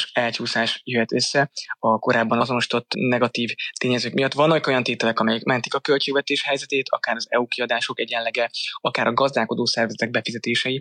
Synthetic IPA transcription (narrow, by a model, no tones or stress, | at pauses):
ʃɛlcuːsaːʃjøɦɛt̪ø̞sːɛɒko̞ɾaːbːɒnɒzo̞no̞ʃi̥t̪o̞t̪ːnɛɡɒt̪iːvt̪eːɲɛzøːkmijɒt̪ːʋɒnːɒko̞jɒnt̪eːt̪ɛlɛkɒmɛjɛkmɛnt̪i̥kɒkø̞lt͡ʃeːɡvɛt̪eːʃhɛjzɛt̪eːt̪ʰɒ̰kaːɾɒzɛ̰ukiɒd̪aːʃo̞kɛɟɛllːɛɡɛɒkaːɾɒɡɒzd̪aːko̞d̪oːsɛrvɛzɛt̪ɛɡ̚bɛfizɛt̪eːʃɛji